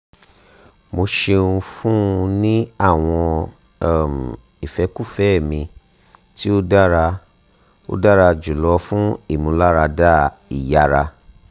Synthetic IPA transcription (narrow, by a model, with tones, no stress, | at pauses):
mo˧ʃe˧ũ˧fũ˦ũ˧nĩ˦a˦˨w̃ɔ̃˧˦˨ | m˨ | i˨fɛ˧˦ku˦˨fɛ˦˨mĩ˧ | ti˦o˦da˦ɾa˧ | o̰˦da˦ɾa˧d͡ʒu˨lɔ˧fũ˦i˦˨mũ˨˧˦la˦ɾa˧da˦ | i˨ja˨ɾa˧